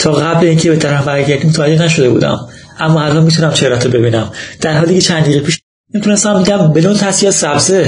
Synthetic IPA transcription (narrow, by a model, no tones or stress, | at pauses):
t̪ʰɒːɣæbleiːncʰebet̪ʰæɾæmbæɾɟæɾd̪iːmot̪ʰææd͡ʒːenæʃo̞d̪e̞bṵːd̪æ̰m | ʔæmːɒːælʔɒnmiːt̪ʰunæmt͡ʃʰeɾæt̪ʰɾobe̞biːnæmd̪̥æɾɦɒːliːcʲet͡ʃʰænd̪iːʁepiːʃ | memit̪unest̪æmbiɟæmbelunt̪ʰæsijɒsæbze